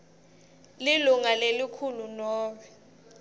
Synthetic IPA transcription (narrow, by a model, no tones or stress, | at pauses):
liluŋalelikʰulunɔːwɛ